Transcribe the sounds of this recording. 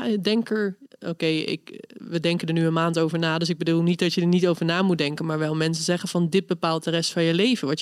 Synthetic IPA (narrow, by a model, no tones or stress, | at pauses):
dɛŋkəɹo̰wkejɪ̰kʋədɛŋkəndəɹnyənmaːntowvəɹnaːdøs̬ɪɡ̚bədulˠnit̚dɑtjədəɹnitowvəɹnaːmut̚dɛŋkənmaːɹʋɛlˠmɛnsənzɛχənvɑndɪt̚bəpaːlˠt̚dərɛstfɑnjəlejvənʋɑt